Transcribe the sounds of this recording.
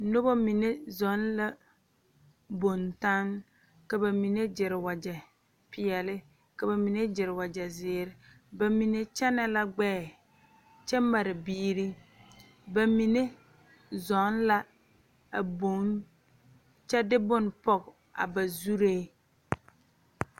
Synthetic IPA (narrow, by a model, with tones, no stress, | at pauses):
no˦bɔ˦mi˨ne˦zɔ˨˦nla˦ | bo˨nta˦ŋ | ka˨ba˨mi˨ne˦d͡ʒɪ˨ɾɪ˨wa˨d͡ʒɛ˨ | pɪ˨ɛ˨lɪ˦ | ka˨ba˨mi˨ne˦d͡ʒɪ˨ɾɪ˨wa˨d͡ʒɛ˨zɪː˨˦ɾɪ˦ | ba˨mi˨ne˦t͡ʃɛ˦nɛ˦la˦ɡ͡bɛː˦˨ | t͡ʃɛ˦ma˨ɾɪ˨biː˦ɾi˦ | ba˨mi˨ne˦ | zɔ˨˦nla˦ | a˨bo˨˦n | t͡ʃɛ˦dɪ˦bʊ˦˨npɔ˦k | a̰˨ba˨zu˦ɾe˦